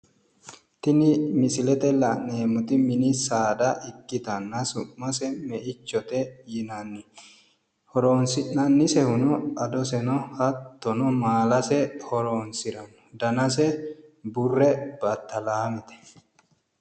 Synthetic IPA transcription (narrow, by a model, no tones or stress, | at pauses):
t̪ɪnɪmɪsɪlɛt̪ɛlɐneːmʊt̪ɪmɪnɪsaːd̪ɐʔɪkːɪt̪ɐnːɐsʊmːɐsɛmɛʔɪt͡ʃːɔt̪ɛjɪnɐnːɪ | hɔɾoːnsɪnnɐnːɪsɛhʊnɔɐd̪ɔsɛnɔhɐt̪ːɔnɔmaːlɐsɛhɔɾoːnsɪɾɐnɔ̥d̪ɐnɐsɛbʊrːɛb̥ɐt̪ːɐlaːmɪt̪ɛ̥